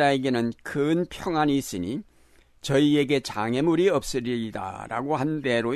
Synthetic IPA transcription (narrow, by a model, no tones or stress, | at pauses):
ɾaeɡe̞nɯnkɯnpʰjʌŋɦaɲiːs͈ɯɲi | t͡ɕʌie̞ɡe̞t͡ɕaŋe̞muɾiʌp̚s͈ɯɾiida̰ɾa̰ɡohande̞ɾo